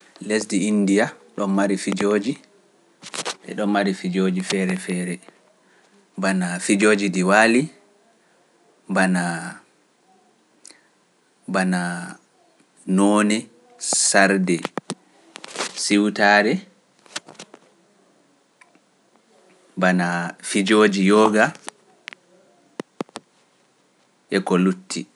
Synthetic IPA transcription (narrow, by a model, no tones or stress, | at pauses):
lesdiindijaɗɔnmaɾifid͡ʒoːd͡ʒi | ɓɛ̰ɗɔmmaɾifid͡ʒoːd͡ʒifɛɾɛfɛːɾɛ | banafid͡ʒoːd͡ʒidiwali | bana | bana | nɔːnɛ | saɾdɛ | siwtaːɾɛ | banafid͡ʒoːd͡ʒijɔːɡa | ʔɛkɔlutʰːi